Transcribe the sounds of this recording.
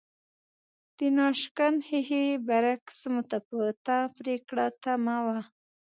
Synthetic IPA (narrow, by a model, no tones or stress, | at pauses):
d̪̥ənɑʃkanhihibaɾaksmʊt̪apət̪apɾekɽat̪amawa